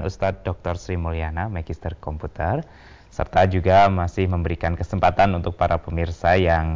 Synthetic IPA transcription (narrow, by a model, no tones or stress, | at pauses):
nṵst̪at̪̚dɔk̚t̪ɔrsɾimolianamaɡist̪ərkɔmput̪ər | sə̰rt̪ad͡ʒuɡamasɪhməmbəɾikankəsəmpat̪anunt̪ʊk̚paɾʔapəmirsajaŋ